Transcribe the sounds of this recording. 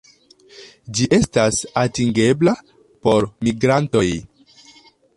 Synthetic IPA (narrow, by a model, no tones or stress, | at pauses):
d͡ʒiʔe̞stasatiŋɡe̞bla | po̞ɾmiɡɾanto̞j